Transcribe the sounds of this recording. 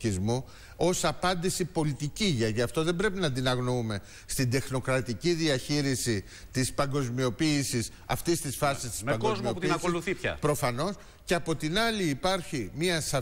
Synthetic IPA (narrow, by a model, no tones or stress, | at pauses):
izmu | o̞sɐpɐnd̪isipo̞lit̪iciʝɐʝɐft̪oðe̞mbɾe̞pinɐnd̪inɐɣnoume̞ | st̪id̪e̞xno̞kɾɐt̪iciðiɐçiɾisi | t̪ispɐŋɡo̞zmio̞piːsis | ɐ̰ft̪ist̪isfɐsist̪i̥spɐŋɡkozmioput̪inɐkoluθipçɐ̰pɾo̞fɐno̞s | ceɐpo̞t̪inɐliːpɐɾçimiɐsɐ